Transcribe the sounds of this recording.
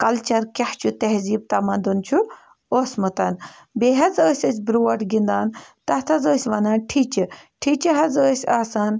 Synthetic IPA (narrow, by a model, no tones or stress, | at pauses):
kɐlt͡ʃɐɾkʲɐht͡ʃʰut̪ɐɦziːb̚t̪ɐmɐnd̪unt͡ʃʰu | oːsmɨt̪ɐn | beːɦɐzəːsʲɐsʲbɾuːʋɐʈɡind̪aːnt̪ɐht̪ʰɐzəːsʲʋɐnaːnʈʰit͡ʃiʈʰit͡ʃiɦɐzəːsʲaːsaːn